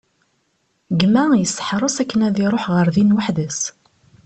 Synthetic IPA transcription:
ɡmæjəsːə̥ħɾˤosækːənæðiɾˤoħʁəɾðinwəħðəs

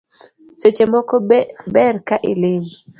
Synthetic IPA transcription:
set͡ʃemɔkɔbɛrkaʔɪlɪm

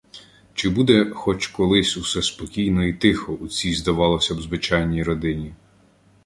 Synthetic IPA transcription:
t͡ʃɪbud̪ɛxɔt͡ʃkɔlˠɪsʲusɛspɔkʲijnɔit̪ɪxɔʔut͡sʲijzd̪ɐʋɑlˠɔsʲɐwzʋɪt͡ʃɑjnʲijɾɔd̪ɪnʲi

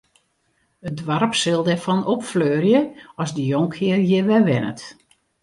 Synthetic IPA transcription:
ədʋɔrpsɪlˠdɛrfɔnɔpfløːrjəɔzdəjoŋkʰɪərjɪʋɛʋɪnə̰t

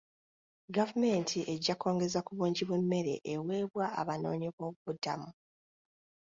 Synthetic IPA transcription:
ɡavume̞ntʰiʔe̞ɟːako̞ːŋɡe̞zakuβuːɲɟiβwe̞mːe̞ɾe̞̰ʔewe̞ːβwaa̰βano̞̰ːɲiβo̞βuβuda̰mu

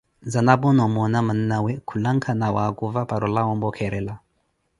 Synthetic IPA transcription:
zanabɔnɔmɔnaman̩nawɛkʰulaŋkʰanawakuvapaɾɔlawɔmbɔkʰɛɾɛla

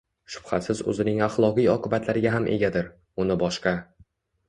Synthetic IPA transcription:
ʃʊ̥b̥hasɪzɵ̰zɪnɪŋaχlˠɒqijɒqʰɨbat̪ʰlaɾɪɡʲaɦamʔḛɡʲad̪ɪɾ | ʊnɪbɒʃqɑ

